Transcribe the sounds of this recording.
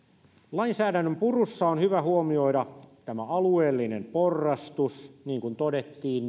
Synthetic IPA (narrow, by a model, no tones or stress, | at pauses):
lɑinsæːdænːømpurusːɑonhyʋæhuomioidɑt̪æmæɑlueːlːinemporːɑst̪usniːŋkunt̪odet̪ːiːn